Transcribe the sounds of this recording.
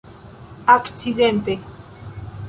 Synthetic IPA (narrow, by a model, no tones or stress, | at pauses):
aksid̪ent̪e